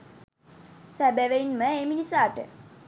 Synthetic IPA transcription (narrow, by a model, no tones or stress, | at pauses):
sæbæʋeinməeːminisaːʈə̰